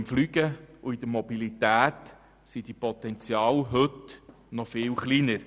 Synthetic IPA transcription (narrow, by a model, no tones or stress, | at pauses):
mflyɡəuid̥̪əɾmɔbilit̪æːt | sid̥ipɔt̪ɛnt͡sjɑːlɦɵt | nɔfɪːwχlinəɾ